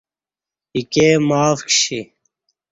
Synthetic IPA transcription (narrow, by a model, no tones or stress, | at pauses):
ikeːmaːfkɕi